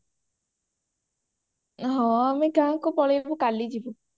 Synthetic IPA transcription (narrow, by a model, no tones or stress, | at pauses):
ɦɔ̃amekãkupɔɭebukalid͡ʒibu